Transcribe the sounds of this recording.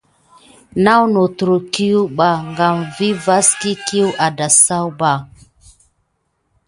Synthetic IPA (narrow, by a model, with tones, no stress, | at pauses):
na˦wno˨tɾu˨ki˦ju˦ɓa˨ŋɡa˨mvi˦va˦ski˦ki˦wʔa˨da˨sa˦wba˨